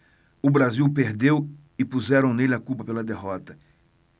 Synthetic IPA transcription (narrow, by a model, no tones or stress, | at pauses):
ʊbɾaziwpeɾd̪ew | ɪpuzɛɾɐ̃w̃nelɪakupɐpelɐd̪eɦɔt̪ɐ